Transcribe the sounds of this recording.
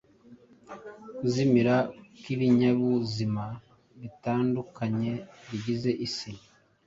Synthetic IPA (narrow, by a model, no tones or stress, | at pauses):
kuzimiɾakiβiɲaβuzima | βitaːndukʰaɲe̞βiɟize̞ʔisi